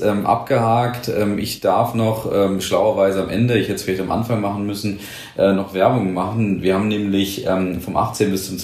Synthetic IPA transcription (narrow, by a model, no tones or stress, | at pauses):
ʔɛːmʔa̰p̚ɡ̥əhaːktʔɛ̰ːmʔɪ̰çd̥aɐfnɔχʔɛːmʃlaʊɐvaɪzəamʔɛndəɪçhɛtə̥sfɪlaɪçtamʔa̰nfaŋmaχn̩mʏsn̩ | ʔɛːnɔχv̥ɛɐbʊŋəmaχn̩viːɐhaːbmnɛːmlɪçʔɛːmfɔmʔa̰χt͡seːnbɪst͡sʊmt͡s